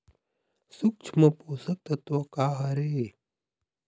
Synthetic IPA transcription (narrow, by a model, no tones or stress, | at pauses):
suk̚t͡ʃʰmɐpoːsɐk̚t̪ɐt̪ɐkaːɦɐɾeː